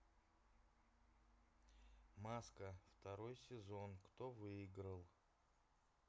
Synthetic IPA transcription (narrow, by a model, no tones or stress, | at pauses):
maskəft̪ɐɾo̞jsʲɪzo̞nkt̪ovɨɪɡɾəlˠ